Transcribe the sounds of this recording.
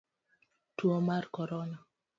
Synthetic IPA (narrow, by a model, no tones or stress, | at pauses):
twomarkɔɾɔna